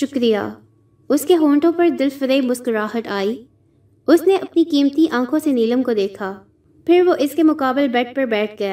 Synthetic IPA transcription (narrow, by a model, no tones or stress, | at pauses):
ʃʊkɾija̰ː | ʊskeɦõːɳʈõpɐɾd̪ɪlfəɾeːmʊskɾaːɦət̪aːiː | ʊsneʔɐpnikiːmt̪iʔãːkʰõseniːləmkod̪eːkʰaː | pʰɪɾʋoʔɪskemʊkaːbɪlbɛʈ̚pɐɾbɛːʈʰɡɐjaː